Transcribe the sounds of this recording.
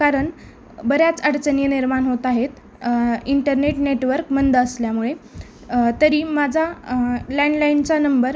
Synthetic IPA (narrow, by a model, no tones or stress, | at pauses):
kaɾəɳ | bəɾjat͡səɽt͡sənjəniɾmanɦot̪aɦet̪ | iɳʈəɾneʈneʈʋəɾkmənd̪ːsljamuɭe | t̪əɾiːmad͡zʱalɛɳɖlaint͡sanəmbəɾ